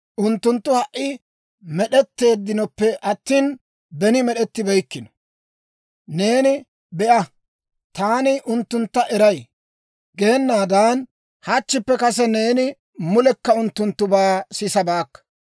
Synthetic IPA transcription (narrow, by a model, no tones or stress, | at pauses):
ʔʊnt̪ːʊnt̪ːʊhɐʔːɪ | mɛɗɛt̪ːe̞ːd̪ːɪnɔpːɛʔɐt̪ːiːn | bɛnɪmɛɗɛt̪ːɪbɛjkːɪnɔ̥ | ne̞ːnɪ | bɛʔɐ | t̪aːnɪʔʊnt̪ːʊnt̪ːɐʔɛɾɐj | ɡe̞ːnːaːd̪aːn | hɐt͡ʃːɪpːɛkɐs̬ɛne̞ːnɪ | mʊlɛkːɐʊnt̪ːʊnt̪ːʊbaːsɪsɐbaːkːɐ̥